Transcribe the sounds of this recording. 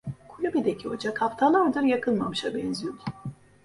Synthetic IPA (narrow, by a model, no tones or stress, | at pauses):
kʰulʲubid̪ɛcʰio̞d͡ʒakʰapt̪ʰalˠaɾd̪ɯɾjakʰɯlˠmamɯʃabɛnziyjol